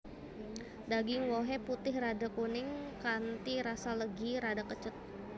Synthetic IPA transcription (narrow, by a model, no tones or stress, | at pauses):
daɡɪŋwoɦɛput̪ɪhradakunɪŋkant̪iɾasaləɡiɾadakət͡ʃət̪̚